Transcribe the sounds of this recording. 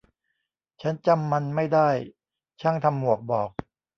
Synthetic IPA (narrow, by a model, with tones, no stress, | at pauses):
t͡ɕʰa˦˥nt͡ɕa˧mːa˧nma˥˩jdaː˥˩j | t͡ɕʰa˥˩ŋt̪ʰa˧mːu˨˩ək̚bɔː˨˩k̚